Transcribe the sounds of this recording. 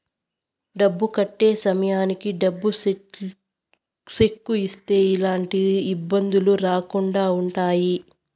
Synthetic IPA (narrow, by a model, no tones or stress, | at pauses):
ɖɐbːukɐʈːeːsɐmɐjaːnikiɖɐbːu | sekːuist̪e̞ːilaːɳʈiːbːɐnd̪uluɾaːkuɳɖaːuɳʈaːji